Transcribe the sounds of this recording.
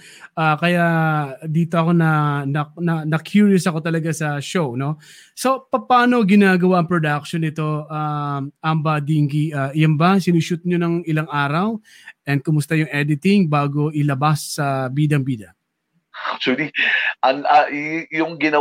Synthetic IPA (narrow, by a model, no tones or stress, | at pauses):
ʔaːkɐjad̪iːt̪o̞ʔɐko̞nɐnɐnɐnɐkʰjuɹjosɐko̞t̪ɐlɐɡasɐʃo̞wno̞ | so̞pɐpaːno̞ɡɪnaːɡɐwaʔɐŋpɹod̪ak̚ʃonːɪt̪o̞ʔaʔɐmbɐd̪iŋɡiʔaʔjɐmbɐsɪnuʃut̪̚ɲonɐŋɪlaŋʔaːɾɐw | ʔɛnd̪̚kʊmʊst̪ajʊŋʔɛd̪ɪt̪ɪŋbaːɡo̞ʔɪlɐbasːɐbiːd̪ɐŋbiːd̪ɐ | ak̚t͡ʃʊɐliʔɐŋajʊŋɡɪnɐ